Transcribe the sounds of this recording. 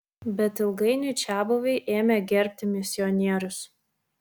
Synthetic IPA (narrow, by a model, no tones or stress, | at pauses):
bʲɛt̪ɪlˠɡɐɪnʲɛɪt͡ʃʲæːboʋʲɛɪʔeːmʲɛɡʲɛɾʲpʲt̪ʲɪmʲɪsʲɪɔnʲiɛɾʲʊs